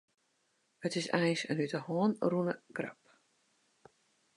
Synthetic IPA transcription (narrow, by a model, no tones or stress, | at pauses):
hətɪsɛjnsənytəhɔːnrunə̰ɡra̰p